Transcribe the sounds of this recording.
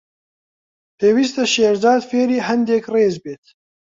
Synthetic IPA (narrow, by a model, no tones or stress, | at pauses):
p̪ʰeːwiːst̪aʃeːɾzɑːd̪feːɾiːɦɐnd̪eːkreːzbeːt̪̚